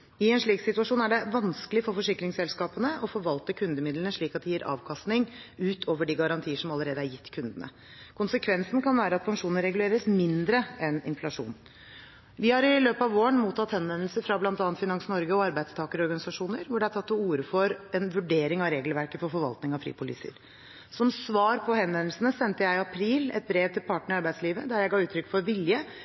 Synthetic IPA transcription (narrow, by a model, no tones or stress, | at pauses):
ɪɛnʂɭiːksɪt̪ʉɑʂuːnæɖɛʋɑnskəlɪfɔɾfɔʂɪkɾɪŋsɛlskɑːpənəʔɔfɔɾʋɑlt̪əkʰʉnd̪əmɪd̪lənəʂɭiːkɑt̪̚d̪ɪjiːɾʔɑ̰ːʋkʰɑst̪nɪŋʉːt̪ʰoːʋəɖiɡɑɾɑnt̪ʰiːəʂɔmɑlːəɾeːd̪əæɾjɪt̪ːkʰʉnd̪ənə̰ | kʰʊnsəkʰʋɛnsnkʰɑnʋæːɾəɑt̪̚pʰɑŋkʂuːnəɾɛɡʉleːɾəsmɪnd̪ɾəɛnɪnflɑʂṵːn | ʋɪhɑɾɪløːpəɑʋoːəɳmuːt̪ʰːɑt̪hɛnʋɛnl̩səɾfɾɑblɑnt̪ɑːnnt̪fɪnɑŋsnɔɾɡəɔɑɾbæɪd̪st̪ʰɑːkəɾɔɾɡɑnɪsɑʂuːnəɾʋʊɖɛæʈʰɑt̪ːɔuːɾəfɔɾɛnʋʉɖeːɾɪŋɑʋɾeːɡlʋæɾkəfɔɾfɔɾʋɑ̰lt̪nɪŋɑfɾḭːpʰʊlḭːsə̰ɾ | sɔmsʋɑːɾpʰɔhɛnʋɛnl̩sənəsɛnt̪əjæɪɪɑpʰɾiːlɛ̰t̪̚bɾeːʋt̪ʰɪlpʰɑʈɳəɾɪɑɾbæɪd̪sliːʋəd̪æɾjæɪɡɑːʉːt̪ʰɾʏkːfɔɾʋɪljə